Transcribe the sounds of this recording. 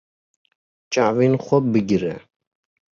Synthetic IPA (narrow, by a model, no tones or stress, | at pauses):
t͡ʃʼaʕvinχʷɔbɨɡʲɾɛ̰